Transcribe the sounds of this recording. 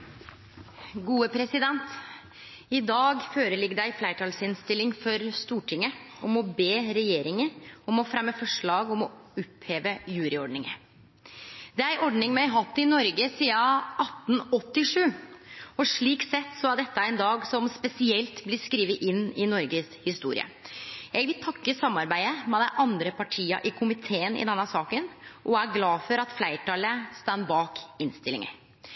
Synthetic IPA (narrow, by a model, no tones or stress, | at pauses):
ɡuːəpʰɾɛsɪd̪ɛnt̪ | ɪd̪ɑːɡføːɾəlɪɡːəd̪æɪflæɪʈʰɑːlsɪnst̪ɪlɪŋfɔɾst̪uːʈʰɪŋːə | ɔmɔbeːɾɛjeːɾɪŋəɔmɔfɾɛmːəfɔʂɭɑːɡɔmɔʊpheːʋəjʉːɾɪɔɖnɪŋə̰ | d̪ɛææɾʔɔɖnɪŋmɛɪɦɑt̪ːɪnɔɾɡəsiːɑʔɑt̪ːn̩ɔt̪ːɪʂʉːɔʂɭiːksɛt̪ːsɔæɖɛt̪ːəæɛɪnd̪ɑːɡsɔmspɛsɪɛlt̪blɪɾskɾiːʋəʔɪnːɪnɔɾɡəshɪst̪ṵːɾɪ̰ə̰jæɪʋɪlt̪ʰɑkːəsɑmːɑɾbæɪəmɛd̪æʔɑnd̪ɾəpʰɑʈʰiːɑ̰ʔɪkʰʊmɪt̪ʰeːənɪ̰d̪ɛnːəsɑːkənʔɔæɾɡlɑːfɔɾɑt̪flæɪʈɑləst̪ɑnːbɑːkɪnst̪ɪlːɪ̰ŋə̰